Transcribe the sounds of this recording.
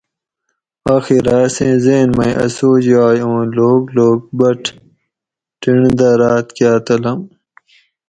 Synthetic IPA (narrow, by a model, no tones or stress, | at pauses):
aːxiɾaːsẽzeːnmɐĩʔɐ̰soːd͡ʑaːjõːloːɡloːɡ̚bɐʈʰ | ʈiɳd̪aːɾaːt̪kjaːt̪ɐlɐm